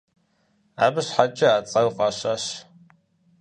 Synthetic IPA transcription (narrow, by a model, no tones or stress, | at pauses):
aːbɨɕħat͡ʃʼɪaːt͡sʼɐwqʼaɕaɕ